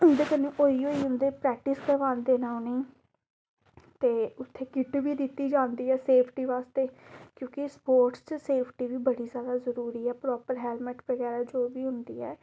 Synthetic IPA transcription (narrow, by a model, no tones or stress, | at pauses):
ʊnd̪eːkənːẽːʔoːiːoːiːɦʊ̃nd̪eːpɾɛːk̚ʈɪskəɾʋaːnd̪eːnaːʊniː | t̪eːʊt̪ʰːeːkɪʈʋiːd̪ɪt̪ːiːd͡ʒãːnd̪iːɛːseːpʰʈiːʋaːst̪eːkjõːkɪspoːɾʈst͡ʃəseːpʰʈiːʋiːbəɽiːzjaːd̪aːzəɾuːɾiːɛːpɾɔːpəɾɦɛːlmɛʈʋəɡɛːɾaːd͡ʒoːʋiːɦʊnd̪iːɛː